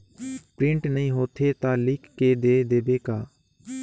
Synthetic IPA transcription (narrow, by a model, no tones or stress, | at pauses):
pɾɪ̃ɳʈnəɦĩːɦoːt̪ʰeːt̪ãːlɪkːeːd̪eːd̪eːbeːkaː